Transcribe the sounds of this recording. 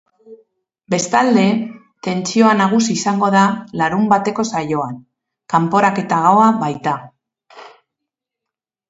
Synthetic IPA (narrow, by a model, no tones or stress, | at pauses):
be̞st̪ald̪e̞ | t̪e̞nt͡sio̞anaɣ̞usiːsaŋɡo̞ð̞alaɾumbat̪e̞ko̞sajo̞an | kampo̞ɾake̞t̪aɣawaβajt̪a